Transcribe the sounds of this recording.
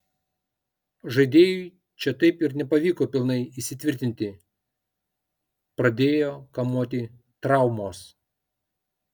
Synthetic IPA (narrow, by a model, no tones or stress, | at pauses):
ʒɐɪd̪ʲeːjʊɪ | t͡ʃʲɛt̪ɐɪpɪɾnʲɛpɐʋʲiːkoːpʲɪlˠnɐɪisʲɪt̪ʲʋʲɪɾʲt̪ʲɪnʲt̪ʲɪ | pɾɐd̪ʲeːjoːkɐmuːt̪ʲɪ | t̪ɾɑˑʊmoːs